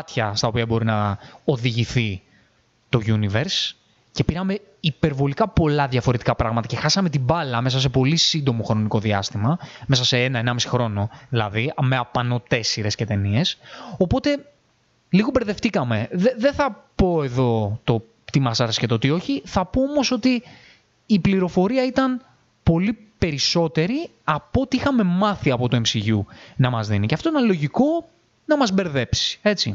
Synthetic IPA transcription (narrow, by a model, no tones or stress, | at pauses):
ɐt̪çɐst̪ɐopiɐbo̞ɾinɐo̞ðiʝiθi | t̪o̞ʝuniveɾs | ce̞piɾɐme̞ | ipe̞ɾvo̞likɐpo̞lɐðʝɐfo̞ɾe̞t̪i̥kɐpɾɐɣmɐt̪ɐce̞xɐsɐme̞t̪ibɐlɐmesɐs̬e̞po̞lisind̪o̞mo̞xɾo̞niko̞ðiɐst̪imɐmsɐse̞enɐenɐmisi̥xɾo̞no̞ðilɐ̰ðiɐme̞ɐpɐno̞t̪e̞siɾe̞sce̞t̪e̞nie̞so̞po̞t̪e̞ | liɣobeɾðe̞ft̪ikɐme̞ðeðeθɐpo̞e̞ðo̞t̪o̞ | t̪imɐsɐɾscet̪ot̪io̞çiθɐpoomo̞so̞t̪iː | pliɾo̞fo̞ɾiɐit̪ɐn | po̞lipe̞ɾiso̞t̪e̞ɾi | ɐpoot̪iixɐme̞mɐθiɐpo̞t̪ue̞msiʝunɐmɐzðiniceɐft̪o̞inɐlo̞ʝiko̞ | nɐmɐzbe̞ɾðe̞psi̥e̞t͡sḭ